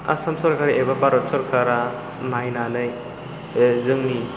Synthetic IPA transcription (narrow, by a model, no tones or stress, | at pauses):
a̰samsɔɾkʰaɾiʔebapaɾɔsɔɾkʰaɾa | najnalɯj | zɯŋni